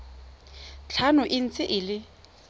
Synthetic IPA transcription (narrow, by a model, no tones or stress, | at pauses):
t͡ɬʰanʊʔɪn̩t͡sʼɪʔɪlɪ